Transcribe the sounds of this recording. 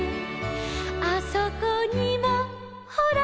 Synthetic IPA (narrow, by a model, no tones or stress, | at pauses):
asokoɲimo | hoɾa